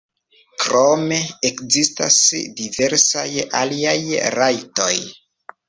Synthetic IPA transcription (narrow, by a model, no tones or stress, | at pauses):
kɾome̞ekzista̰sdive̞ɾsajaliajɾajto̞j